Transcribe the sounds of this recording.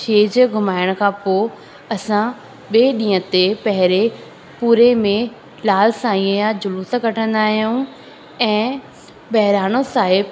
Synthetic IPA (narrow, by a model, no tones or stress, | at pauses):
ʃeːd͡ʑɡʱʊmaːɪəɽ̃kʰãːpoː | ɐsã | ɓeːɗĩːə̃t̪epɐɦɪɾe | puːɾemẽ | laːlsãːĩə̃jãd͡ʑʊluːskɐʈʰə̃nd̪aːɦijũ | ɛ̃ː | ɓɐɦɪɾaːɽ̃osaːɦɪb